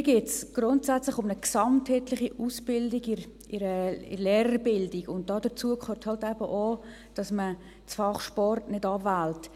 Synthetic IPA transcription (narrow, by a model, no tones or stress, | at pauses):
iɡɪːtsɡ̥ɾʊntsæt͡slɪχʊmnəksɑmthɛtlɪχiʔuːsbɪldiɡɪɾ | ɪɾəɪ̰lɛːɾəɾbɪldɪɡʊnt̚d̥ɑːdət͡suəkʰχøthɑltɛbəʔoː | d̥ɑsmə | t͡sfɑχʃpɔrtnɪdɑvælt